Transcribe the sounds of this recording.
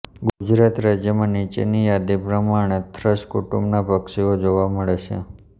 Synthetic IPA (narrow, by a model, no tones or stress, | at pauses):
ɡud͡ʒɾat̪ɾad͡ʒjəmãnit͡ʃḛnijad̪ipɾəmaɽ̃et̪ʰɾəʃkuʈumbnabʱəkʃiod͡ʒoʋaməɭet͡ʃʰḛ